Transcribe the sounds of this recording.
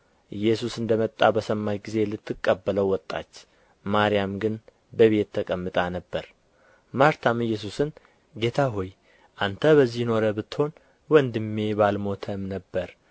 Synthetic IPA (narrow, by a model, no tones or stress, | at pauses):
ʔɨjːɛsusɨnd̪əmət̪ʼːabəsəmːajɡize̞lɨt̪ʰːɨkʼːəbːələwwɔt̪ʼːa̰t͡ʃː | maɾijamɡɨn | bəβe̞t̪ʰːəkʼəmːɨt̪ʼanəbːəɾ | maɾt̪ʰamɨjːɛs̬usɨn | ɡe̞t̪ʰaɦoj | ʔant̪ʰəβəzːijno̞ɾəbɨt̪ːho̞n | wɔnd̪ɨmːe̞balmo̞t̪ʰəmnəbːəɾ